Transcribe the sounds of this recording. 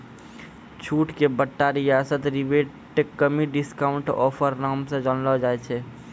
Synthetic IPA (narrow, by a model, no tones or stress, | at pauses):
t͡ʃʰuʈkebəʈːaɾijasət̪ɾibeʈ | ʈːekːəmiɖiskauɳʈɔ̰pʰəɾnamsẽd͡ʒɔnlɔd͡ʒaɛt͡ʃʰɛ